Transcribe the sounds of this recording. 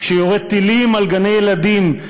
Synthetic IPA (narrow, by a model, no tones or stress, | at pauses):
ʃejoʁed̪̚t̪ilimalɡanejelad̪im